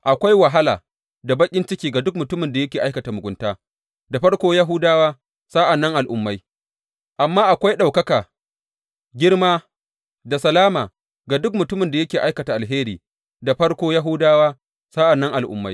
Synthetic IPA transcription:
ʔa˨kʷa˦jwɐ˨ɦa˦la̰ː˨ | da˨bɐ˦kʲʼɪ˦nt͡ʃɪ˦kʲiː˦ɡa˨dʊ˦kmʊ˨tʊ˦mɪ˨nda˨jɐ˦kʲeː˨ʔa˦jkɐ˨ta˨mʊ˨ɡʷʊ˦ntaː˦ | da˨ɸɐ˦ɽkʷoː˦ja˦ɦʊ˦daː˦waː˦ | saː˦ʔa˨nːɐ˦ŋʔa˨lʔʊ˨mːa˦j | ʔa˨mːaː˦ʔa˨kʷa˦jɗa˨wkɐ˦kaː˨ | ɡʲɪ˦ɽmaː˦ | da˨sɐ˨laː˦maː˨ | ɡa˨dʊ˦kmʊ˨tʊ˦mɪ˨nda˨jɐ˦kʲeː˨ʔa˦jkɐ˨ta˨ʔa˨lɦeː˦ɾiː˨ | da˨ɸɐ˦ɽkʷoː˦ja˦ɦʊ˦daː˦waː˦ | sa˦ʔa˨nːɐ˦ŋʔa˨lʔʊ̰˨˦mːa˦j

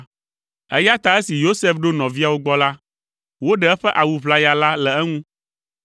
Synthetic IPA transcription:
ɛ̰˦ja˦t̪a˨ɛ˦si˨jo˦se˦fɖo˦nɔ̃˨vi˦a˨wo˦ɡ͡bɔ˦la˦ | wo˦ɖɛ˨˦ɛ˦ɸɛ˦ʔa˨wu˨βla˦ja˨la˦lɛ˨ɛ˦ŋũ˦

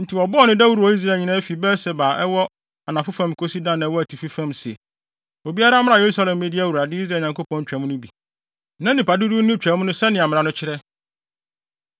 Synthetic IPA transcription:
n̩˨tʰi˨ɔ˨bɔ˦ɔ˦nɪ̃˦da˦wu˦ɾu˨ɔ˨˦i˦s̬ɾaː˨ɲɪ̃˨nã˦fi˨bɛː˦sɛ˨baː˨ʔɛ˦wɔ˦ | a˨nã˨fʊ˦fã˦m˨kʰo˦si˦dã˦˨nːã˨˦wɔ˦æ˨tʰi˨fi˦fã˦msɪ˨ | o˨bi˦a˦ɾa˦m̃˦ã˨je˨ɾu˦sa˦lɛ̃˨mː˨e˨di˦æ˦˨wu˨ɾa˨dɪ˦i˦sɾaː˦˨ɲã˨ŋko˦pʰɔ̃˦n˦t͡ɕᶣɛ˨˦m̃˦nʊ̃˦bi˨ | nã˦nɪ̃˨pa˨du˦du˦nʊ̃˦t͡ɕᶣɛ˨˦mʊ̃˦nʊ̃˦sɛ˦nɪ̃˨a˨m̃˨ɾã˨nʊ̃˦t͡ɕʰɪ˦ɾɛ˦

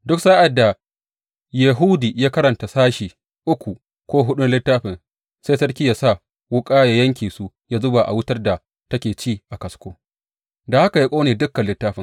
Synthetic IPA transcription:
dʊ˦ksaː˦ʔa˨dːa˨ | jɐ˨ɦu˦diː˨jaː˦kɐ˦ɾɐ˨nta˨saː˦ʃiː˨ | ʔʊ˦kʷu˨ | kʷoː˦ɦʊ˦ɗʊ˦nlɪ˦tːaː˦ɸɪ˨n | se˦jsɐ˦rkʲiː˦ja˨sa˦˨ | wʊ˦kʼaː˦ja˦jɐ˦ŋkʲiː˨su˦ | jaː˦zʊ˦ba˨ʔa̰˨wʊ˦tɐ˦rda˨ | tɐ˦kʲeː˨t͡ʃiː˦˨ʔa˨kɐ˨skʷoː˦ | da˨ha˦ka˨ja˦kʷʼoː˦neː˨dʊ˦kːɐ˨nlɪ˦tːaː˦ɸɪ˨ŋ

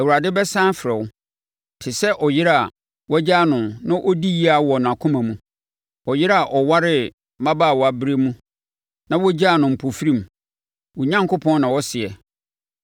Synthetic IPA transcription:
ɛ˨wu˨ɾa˨dɪ˦bɛ˦sã˦nfɾɛ˨w | tʰɪ˨sɛ˦ʔɔ˨jɪ˦ɾa˨ | wɔ˦d͡ʑa˦nʊ̃˨nã˦ʔɔ˦di˦ji˦a˨wɔ˨n˨ã˨kʰʊ̃˦mã˨mũ˦ | ɔ˨jɪ˦ɾa˨ʔɔ˨wa˦ɾɪ˦ | mã˦baː˦˨wɔ˨a˨bɪ˦ɾe˦mũ˦ | nã˦wɔ˦d͡ʑa˦˨nʊ̃˨m̩˨pʰo˨fɾĩ˦m˨ | wɔ˨ɲã˦ŋko˦pʰɔ̃˦n˦nã˨wɔ˦sɪ˨ɛ˨

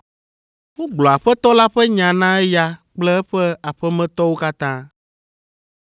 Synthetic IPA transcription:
wo˦ɡ͡blɔ˨a˨ɸɛ˦t̪ɔ˦la˦ɸɛ˦ɲã˨nã˦ɛ˦ja˦k͡plɛ˦ɛ˦ɸɛ˦a˨ɸɛ˦mɛ̃˦t̪ɔ˦wo˦ka˦t̪ã˦

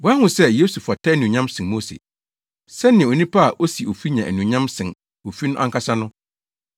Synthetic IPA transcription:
bʊ˨˦a˦hʊ̃˨sɛ˦je˦su˨fa˨tʰɛ˦nũ˨ɲã˦msɪ̃˨nmo˦sḛ˨ | sɛ˦nɪ̃˨o˨nĩ˦pʰa˦a˨ʔo˦si˨o˨fi˦ɲã˨æ̰˨nũ˨ɲã˦msɪ̃˨n | o˨fi˦nʊ̃˦ʔã̰˦ŋka˦sa˦nʊ̃˦

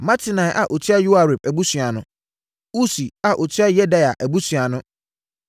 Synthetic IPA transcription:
mã˦tʰɪ˨nã˨jʔa̰˨ʔo˨t͡ɕʰi˦a˦ju˦a˨ɾe˨p̚æ˨bu˦sɥa˨nʊ̃˦ | u˦si˨a˨ʔo˨t͡ɕʰi˦a˦jɛ˦da˦ja˨ʔæ˨bu˦sɥa˨nʊ̃˦

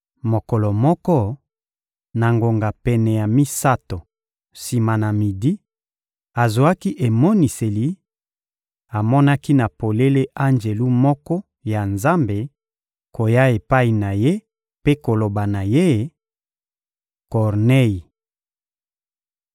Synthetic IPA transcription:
mo˨kɔ˨lɔ˨mɔ˦kɔ˦ | na˨ŋɡo˨ŋɡa˨pɛ˨nɛ˨ja˨mi˦sa˦to˨ | si˨ma˨na˨mi˨di˦ | a˨zo˨a˦ki˦ʔe˨mɔ˦ni˨se˨li˨˦ | a˨mɔ˦na˦ki˦na˨po˨le˦le˦ʔa˦nd͡ʒe˨lu˦mɔ˦kɔ˦ | ja˨nza˦mbe˨ | ko˨ja˦e˨pa˦i˨na˨je˦ | pe˦ko˨lo˨ba˨na˨je˦ | kɔ˨ʁne˦ji˨

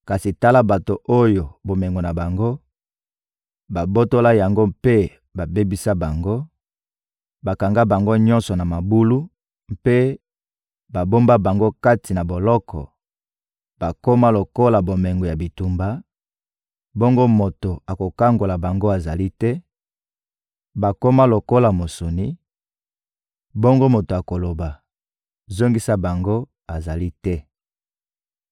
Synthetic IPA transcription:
ka˨si˨ta˦la˦ba˨to˨ʔo˦jo˨bo˨me˨ŋɡo˨na˨ba˨ŋɡo˦ | ba˨bo˦to˦la˦ja˨ŋɡo˦mpe˦ | ba˨be˦bi˦sa˦ba˨ŋɡo˦ | ba˨ka˨ŋɡa˦ba˨ŋɡo˦ɲɔ˦nsɔ˨na˨ma˨bu˦lu˦ | m̩pe˦ | ba˨bo˦mba˦ba˨ŋɡo˦ka˦ti˨na˨bo˨lɔ˦kʰɔ̰˨ | b̥a˨ko˦ma˦lo˨ko˦la˨bo˨mɛ˨ŋɡo˨ja˨bi˨tu˦mba˦ | bo˦ŋɡo˦mo˨to˨a˨ko˨ka˦ŋɡo˨la˨ba˨ŋɡo˦a˨za˨li˦tɛ˦ | ba˨ko˦ma˦lo˨ko˦la˨mo˨so˨ni˦ | bo˦ŋɡo˦mo˨to˨a˨ko˨lo˨ba˨ | zo˦ŋɡi˦sa˦ba˨ŋɡo˦ | a˨za˨li˦tɛ˦

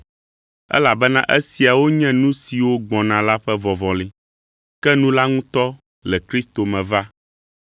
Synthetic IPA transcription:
ɛ̰˦la˨bɛ˦nã˦ʔɛ˦si˨a˨wo˦ɲɛ̃˦nũ˦si˨wo˦ɡ͡bɔ̃˨nã˨la˦ɸɛ˦vɔ˨vɔ̃˨li˦ | kɛ˦nũ˦la˦ŋũ˦t̪ɔ˦ | lɛ˨kɾi˦st̪o˨mɛ̃˨va˦

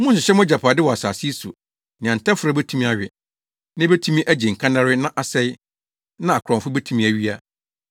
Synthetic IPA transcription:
mũ˦n˦s̬ʊ˨ɕɛ˦m˦d͡ʑa˨pʰaː˨dɪ˦wɔ˨a˨saː˨si˦sṵ˨ | nɪ̃˨ã˨n˨tʰa˦fʊ˨ɾa˦bɛ˦tʰũ˦mĩ˦a˨ɥᶣɪ˨ | nɪ̃˦be˦tʰũ˦mĩ˦ʔæ˦d͡ʑi˨ŋ̩˨kʰã˦nã˦ɾɪ˦nã˦ʔa˨sɛ˦ɪ˦ | nã˦a˨kʰɾɔ̃˨mfʊ˦bɛ˦tʰũ˦mĩ˦æ˨ɥi˦a˦

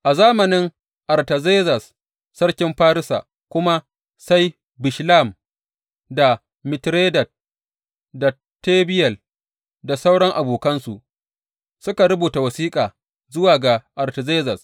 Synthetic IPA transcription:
ʔa˨zaː˦mɐ˨nɪ˦ŋ | ʔa˨rtɐ˨ze˦zɐ˨sː | ɐ˦ɽkʲɪ˦mɸaː˦ɾɪ˦sa̰ː˨ | kʷʊ˦ma˦ | sa˦j | bɪ˨ʃla˦˨m | da˨ | mɪ˨tɾeː˦dɐ˨t̚ | da˨ | teː˦bɪ˦jɐ˨l | da˨sa˦wɽɐ˦ŋʔa˨buː˨kɐ˦nsu˨ʔ | sʊ˦ka˨ɽʊ˦buː˨ta˨wɐ˨siː˦kʼaː˨ | zʊ˦waː˨ɡa˨ʔa˨ɾtɐ˨zeː˦zɐ˨s

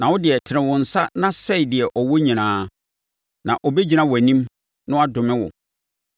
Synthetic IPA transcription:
nã˨wʊ˦dɪ˨ɛ˨tʰɪ˨ɾɪ̃˨wʊ̃˨n̩˨sa˦nã˦sɛ˦i˨dɪ˨ɛ˨ʔɔ˨wɔ˦ɲĩ˨nãː˦ | nã˨ʔɔ˨be˦d͡ʑi˨nã˦wɔ˨æ˨nĩ˦m | nʊ̃˦a˦dʊ̃˨mɪ̃˦wʊ̰˨

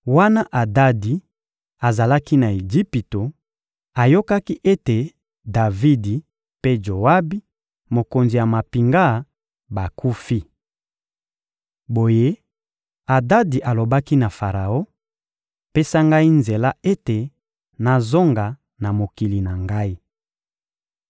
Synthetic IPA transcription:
wa˦na˦ʔa˨da˦di˨ | a˨za˨la˦ki˦na˨e˨d͡ʒi˦pi˨to˨ | a˨jo˦ka˦ki˦ʔe˦te˨ | da˨vi˦di˨ | pe˦d͡ʒo˨wa˦bi˦ | mo˨ko˨nzi˨ja˨ma˨pi˨ŋɡa˦˨ | ba˨ku˦fi˦ | bo˨je˦ | a˨da˦di˨ʔa˨lo˨ba˦ki˦na˨fa˨ʁa˨o˦ | pe˦sa˦ŋɡa˦i˦nze˨la˦ʔe˦te˨ | na˨zo˦ŋɡa˨ | na˨mo˨ki˨li˨na˨ŋɡa˦i˦

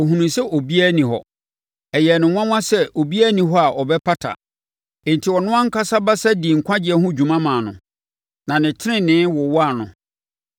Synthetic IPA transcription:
o˨ɦũ˨nũ˨sɛ˦ʔo˨bi˦æ˦nĩ˨hɔ˨ | ɛ˨jɛ˨nɪ̃˨w̃ʷã˦wã˦sɛ˦ʔo˨bi˦æ˦nĩ˨ɦɔ˦a˨ʔɔ˨bɛ˦pʰa˦tʰa̰˨ | ɪ̃˨n˨tʰi˨wɔ˨nʊ̃˦ã˦ŋ̩˦kʰa˦sa˦ba˦sɛ˦di˨ŋ̩˨kʷʰã˦d͡ʑɪ˨ɛ˦ɦʊ̃˦d͡ʑᶣũ˨mã˦mãː˨nʊ̰̃˨ | nã˨nɪ̃˨tʰɪ˦ɾɪ̃˦nɪ̃˦wɔ˨wɔ˦a˦˨nʊ̰̃˨

